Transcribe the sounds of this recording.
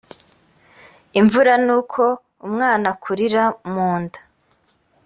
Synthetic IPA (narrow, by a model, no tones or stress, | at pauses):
iɱvuɾanuːkʰo̞ | umŋaːnakʰuɾiɾamuːndḁ